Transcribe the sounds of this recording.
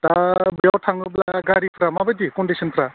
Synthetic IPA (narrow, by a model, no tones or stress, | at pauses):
t̪abjɔwʈʰaŋɡublaɡaɾipʰɾamabad̪ikɔɳɖisnpʰɾa